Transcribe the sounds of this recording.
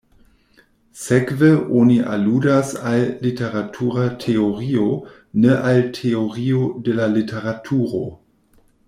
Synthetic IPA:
sekveʔoniʔa̰ludasalːiteʁatʰuʁatʰeoʁio | neʔaltʰeoʁiodelalitʰeʁatʰuɾo̰

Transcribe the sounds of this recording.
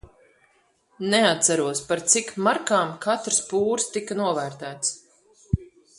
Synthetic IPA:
nɛat̪saɾuɔspaɾt̪sikmaɾkaːmkat̪ɾspuːɾst̪ikɐnuɔvæːɾt̪æːt̪s

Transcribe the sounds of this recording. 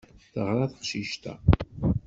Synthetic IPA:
θəʁɾaθə̥qʃiʃt̪æ̰

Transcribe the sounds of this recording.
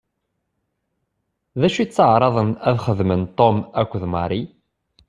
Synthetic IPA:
ðæʃit͡sːəʕɾˤɑðˤənæðχəðmənt̪ˤomækʷːðmɑɾi

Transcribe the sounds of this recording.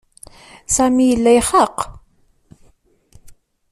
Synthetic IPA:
sæmijəlːæjχɑq

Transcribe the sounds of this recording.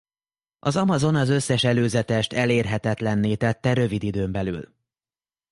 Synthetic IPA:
ʔɒzɒmɒzo̞nɒzø̞sːɛʃɛløːzɛt̪ɛʃt̪ɛleːrɦɛt̪ɛt̪lɛnːeːt̪ɛt̪ːɛɾø̞vid̪id̪øːmbɛly̰l

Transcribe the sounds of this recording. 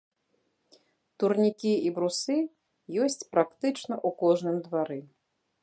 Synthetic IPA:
t̪urnʲikʲiibɾusɨ | jɔsʲt͡sʲpɾakt̪ɨt͡ʂnɐʔukɔʐnɨmd̪vaɾɨ

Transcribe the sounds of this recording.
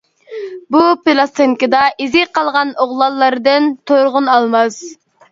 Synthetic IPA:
bupelˠɑst̪eŋkʲɨd̪ɑʔizɪqʰɑlˠʁɑnoʁlˠɑlˠːɑɾd̪ɨnt̪ʰoɾʁʊnɑlˠmɑz̥

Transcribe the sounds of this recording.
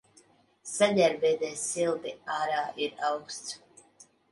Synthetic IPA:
saɟ̪ʲaɾbɛːd̪ɛsilˠt̪iaːɾaːʔiɾawkst̪s

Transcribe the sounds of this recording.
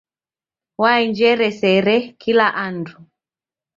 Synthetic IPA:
waiɲd͡ʒɛɾɛsɛɾɛkʰilaʔandu

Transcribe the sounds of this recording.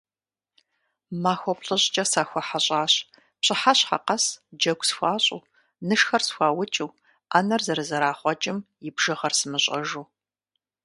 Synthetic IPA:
maːxʷɔpɬɨɕʼt͡ʃʼɐsaːxʷɔħaɕʼaːɕ | pɕʼɪħaɕχa̰qɐsd͡ʒɐɡʷsxʷaːɕʼṵː | nɨʂxɐrsxʷɑːwʊt͡ʃʼuw | aːnɐrzɐɾɨzɐɾaːχʷɔt͡ʃʼɪmjɪbʒ̥ɨʁɐrsɨmɨɕʼɐ̰ʒuː

